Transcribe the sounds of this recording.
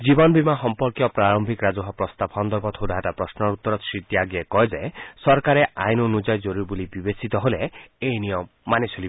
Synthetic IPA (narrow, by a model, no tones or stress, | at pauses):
d͡ʒibɔnɔbʱimaɦɔmpɔɾkjɔpɾaɾɔmbʱikɾad͡ʒɔɦɔpɾɔst̪abʱɔnd̪ɔɾbɔt̪ʰod̪ʱɦaʈapɾɔsnɔɾut̪ːɔɾɔt̪sɾit̪jaɡjekɔɦed͡ʒaesɔɾkaɾeʔajnonud͡ʒɔjd͡ʒoɾuɾibulibibesit̪ɔɦoleejnijɔmːanesʰoli